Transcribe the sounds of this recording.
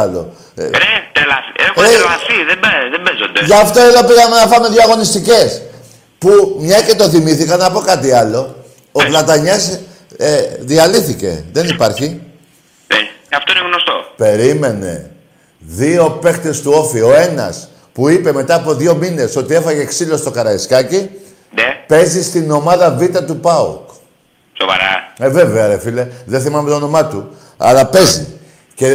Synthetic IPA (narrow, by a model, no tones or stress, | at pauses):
lo̰ | et̪elasieelasiðeeðembezo̰nd̪eʝɐft̪oelopiɣɐmenɐfɐmeðiɐɣo̞nist̪ice̞s | pumɲɐce̞t̪o̞θimiθikɐnɐpo̞kɐt̪iɐlo̞ | ovlɐt̪ɐɲes | eðiɐliθice̞̰ðe̞nipɐɾçi | eɐft̪oineɣnost̪o̞̰pe̞ɾime̞ne̞̰ | ðio̞pe̞kt̪e̞st̪uo̞fio̞e̞nɐ̰s | puipe̞me̞t̪ɐːpo̞ðʝo̞mine̞so̞t̪ie̞fɐʝeksilo̞st̪o̞kɐɾɐiskɐci | nepe̞zist̪ino̞mɐðɐvit̪ɐt̪upɐo̰k | sovɐ̰ɾɐ̰eve̞veɐɾefile̞ðeθimɐmet̪ono̞mɐt̪u | ɐ̰lɐpe̞zi | ce